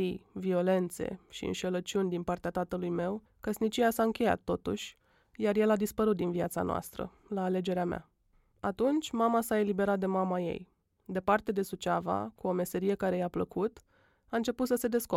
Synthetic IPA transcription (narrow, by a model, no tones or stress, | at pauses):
ijvio̞le̞nt̪se̞̰ʃiɨ̰nʃe̞lət͡ʃunʲd̪inpart̪eat̪at̪əlujme̞w | kəsnit͡ʃijasaɨŋkʲe̞ja̰t̪ːo̞t̪ṵʃʲ | jarje̞lad̪ispəɾut̪̚d̪inviat̪sa̰noa̰st̪ɾə̰ | laːle̞d͡ʒe̞ɾeamea̰ | at̪unt͡ʃʲmamasae̞libe̞ɾat̪̚d̪e̞mamajḛj | d̪e̞part̪e̞d̪e̞sut͡ʃava̰kuo̞me̞se̞ɾije̞kaɾe̞japləkut̪ | aɨnt͡ʃe̞put̪səse̞d̪e̞sko